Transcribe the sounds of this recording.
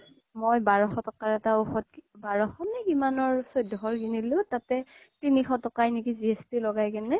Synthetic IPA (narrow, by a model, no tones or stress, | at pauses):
mojbaɹɔxɔtɔkaɹɛtaoxɔt̚kbaɹɔxɔnɛkimanɔɹsojdʱɔɦɔɹkinilʊ̃tatɛ | tinixɔtɔkajnikiziɛstilɔɡajkɛnɛ